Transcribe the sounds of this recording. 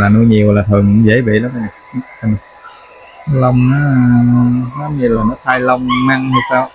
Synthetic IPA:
laː˨˩nu˧jɲi˨˩əwlaː˨˩t̪ʰə˨˩ŋkʊ̰˧˥ŋ͡mzḛ˧˩ɓḭ˧˨la˨˦ma˧lː | a˧˩n˧˩ | lə˧wŋ͡maː˨˦ | la˨˦mi˧˩laː˨˩nɔː˨˦t̪ʰaː˧jlə˧wŋ͡mna˧ŋt̪o˧jsaː˧w

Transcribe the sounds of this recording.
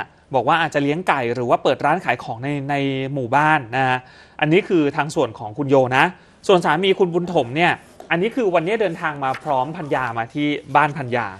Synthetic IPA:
bɔː˨˩kwaː˥˩ʔaː˨˩t͡ɕa˨˩li˦˥əŋka˨˩jɾɯː˩˦waː˥˩pɤː˨˩t̪̚ɾaː˦˥nkʰaː˩˦jkʰɔː˩˦ŋna˧jna˧jmuː˨˩baː˥˩nːa˦a˦˥ | ʔa˧nːiː˦˥kʰɯː˧t̪ʰaː˧ŋsu˨˩ənkʰɔː˩˦ŋkʰu˧njoː˧na˦˥ | su˨˩nsaː˩˦miː˧kʰu˧nbu˧nt̪ʰo˩˦mni˥˩ɐ | ʔa˧nːiː˦˥kʰɯː˧wa˧nːi˦˥ɐdɤː˧nt̪ʰaː˧ŋmaː˧pʰɾɔː˦˥mpʰa˧njaː˧maː˧t̪ʰiː˥˩baː˥˩npʰa˧nja̰ː˧

